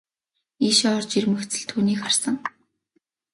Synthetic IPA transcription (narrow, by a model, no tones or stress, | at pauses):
iʃɔːrt͡ɕirmɵ̆xt͡sɘ̆ɮt̪ʰuːniːkχarsə̆ŋ